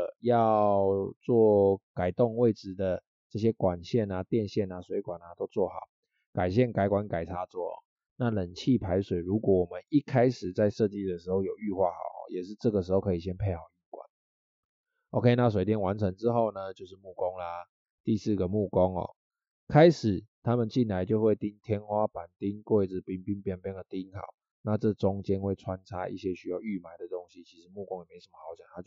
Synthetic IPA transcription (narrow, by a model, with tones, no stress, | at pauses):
jɑ˥˨ʊʊt͡swɔ˥˨ka˨˩ɪt̪ɔ˥˧ŋwe˥˩ɪʈ͡ʂɻ̩˨˩d̪ə˨ | ʈ͡ʂɤ˥˩ɕ̬jɛ˦˥kwa˨˩nɕjɛ˥˩na˨t̪jɛ˥˧nɕjɛ˥˩na˨swe˧˥ɪkwa˨˩na˨t̪o˥ʊt͡swɔ˥˩xɑ̰˨˩˦ʊ | ka˨˩ɪɕ̬jɛ˥˩nka˨˥ɪkwa˧˦nka˨˩ɪt͡sʰa˧˥t͡swɔ˥˩ɔ̰˨˩ | na˥˩˨lə˨˩nt͡ɕʰi˥˨pʰa˧˥ɪʂwe˨˩ɪɻu˨˥kwɔ˧˩wɔ˨˩mə˦ni˦˩kʰa˥ɪʂɻ̩˨˩t͡sa˥˧ɪʂɤ˥˧t͡ɕi˥˩d̪ə˨˩ʂɻ̩˧˥xo˥˩ʊjo˨˩ʊy˥˧xwa̰˥˩xɑ˨˩ʊxɔ̰˨jɛ˨˩ʂɻ̩˥˧ʈ͡ʂɤ˥˩ɡə˩ʂɻ̩˧˥xo˥˩ʊkʰə˧˥i˨˩ɕ̬jɛ˦˥npʰe˥˧ɪxa˨˩ʊy˥˩kwa̰˨˩˦n | ʔo˨kʰe˥˧˦na˥˩s̬we˨˩ɪt̪jɛ˥˩nwa˧˦nt͡sʰə˧˦ŋʈ͡ʂɻ̩˦xo˥˩ʊnə˩t͡ɕjo˥˧ʊʂɻ̩˥˧mu˥˩kɔ˦ŋla˨ | t̪i˥˧sɹ̩˥˩ɡə˩mu˥˩kɔ˦ŋɔ̰˨˩ | kʰa˥ɪʂɻ̩˨˩˦t̪ʰa˦mə˨nt͡ɕi˥˨˩nla˨˦ɪt͡ɕjo˥˧ʊxwe˥˩ɪt̪i˦˥ŋt̪ʰjɛ˥nxwa˦pa˨˩nt̪i˦˥ŋkwe˥˩ɪt͡sɻ̩˨˩pi˥ŋpi˥˦ŋpi˨˧˥ŋpjɛ˥nd̪ə˨˩t̪i˦˥nxɑ̰˨˩˦ʊ | na˥˧t͡sɤ˥˩ʈ͡ʂʊ˦ŋt͡ɕjɛ˥nxwe˥˩ɪt͡sʰwa˦nt͡sʰa˦ʔḭ˥˩ɕjɛ˦ɕy˥ja˥˧ʊy˥˩ma˨˩ɪd̪ə˩t̪o˦ŋɕi˦t͡ɕʰi˧˥ʂɻ̩˧˦mu˥˩kɔ˦ŋjɛ˨˩me˧˥o˩ʂə˦mə˦˩xa˨˧˥ʊt͡ɕja̰˨˩ŋt̪ʰa˥t͡ɕ